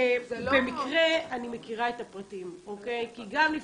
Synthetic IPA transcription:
bemikʁeanime̞kiʁaetapʁatimokejkiɡamli

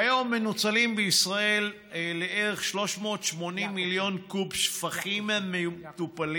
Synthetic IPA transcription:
jomːenut͡salimbeisʁae̞l | leʔeʁeχʃlo̞ʃmo̞tʃmo̞nimːiljo̞nkubʃfaχimmeut̪upal

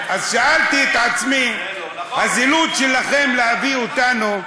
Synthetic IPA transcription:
ʔazʃaalt̪iet̪ʕat͡smi | hazilud̪ʃelaχe̞mlehaviot̪anu

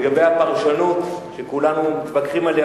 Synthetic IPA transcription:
ɡabejapaʁʃanut̪ʃekulanumit̪vakʁimale

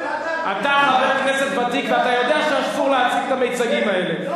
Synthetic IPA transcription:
ʔat̪aaveknesetbatikveat̪ajo̞d̪eaʃeaʃtuʁleat͡siɡet̪ame̞jt͡saɡimaele

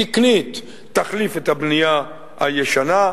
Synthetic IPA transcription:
iknit̪ː | aχlifet̪habnija | ha̰jeʃana

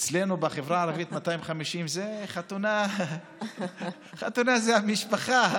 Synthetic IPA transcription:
t͡slenubeχevʁaːʁavit̪mat̪aimχamiʃimzeχat̪una | χat̪unazehamiʃpaχa

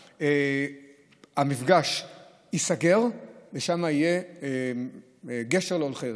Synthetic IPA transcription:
e | amifɡaʃ | isaɡe̞ʁveʃamaije | ɡe̞ʃeʁleolχe

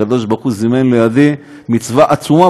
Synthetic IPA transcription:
ad̪o̞ʃ̬baʁχuzimenlejad̪i | mit͡svaʔat͡suma

